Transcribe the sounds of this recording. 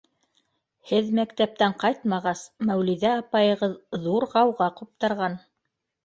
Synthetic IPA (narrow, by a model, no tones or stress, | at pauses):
hɘðmækt̪æp̚t̪æɴqɑjt̪mɑʁɑsmæwliðæɑpɑjɤ̆ʁɤððuɾʁɑwʁɑqup̚t̪ɑɾʁɑn